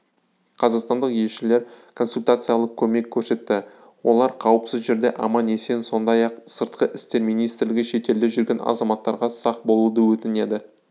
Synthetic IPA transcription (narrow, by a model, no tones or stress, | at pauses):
qʰɑzɑqst̪ɑnd̪əqje̞lʃɪle̞ɾkʰo̞nsulʲt̪at̪sɨjaɑlˠəq̚kʲʰɵme̞kʲʰːɵɾse̞t̪ːɪ | wo̞̰lˠɑɾqʰɑwəpsɪzʒe̞ɾd̪e̞ʔɑmɑne̞se̞nso̞nd̪ɑjɑqsəɾt̪̚qəʔɪst̪e̞ɾmijnijst̪ɪɾlɪɡʲɪʃe̞t̪e̞ld̪ɪʒʏɾɡʲe̞nʔɑ̰zɑmɑt̪ːɑɾʁɑsɑq̚bo̞lˠud̪əwɵt̪ɪne̞d̪ɪ